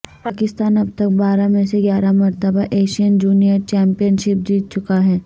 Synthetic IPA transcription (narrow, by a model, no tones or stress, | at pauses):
paːkɪst̪aːnɐbt̪ək̚baːɾamẽseɡjaːɾamɐɾt̪əbaʔeːʃijənd͡ʒuːnijəɾt͡ʃɛ̃ːmpijənʃɪp̚d͡ʒiːt̪̚t͡ʃʊkaɦɛː